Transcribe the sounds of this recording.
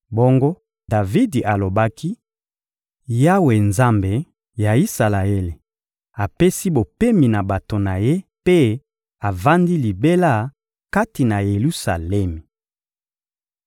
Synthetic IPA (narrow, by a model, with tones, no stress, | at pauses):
bo˦ŋɡo˦ | da˨vi˦dʔa˨lo˨ba˦ki˦ | ja˦we˨nza˦mbe˨ | ja˨i˦sa˨la˨e˦le˨ | a˨pe˦si˦bo˨pe˦mi˨na˨ba˨to˨na˨je˦pe˦ | a˨va˦ndi˦li˨be˦la˦˨ | ka˦ti˨na˨je˨lu˦sa̰˨lɛ˦mi˨